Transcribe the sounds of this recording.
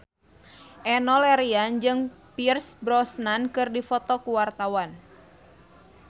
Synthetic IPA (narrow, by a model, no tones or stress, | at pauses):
ʔɛnɔlɛɾiand͡ʒɨŋpirsbɾɔsnankɨrdifɔt̪ɔkuwart̪awan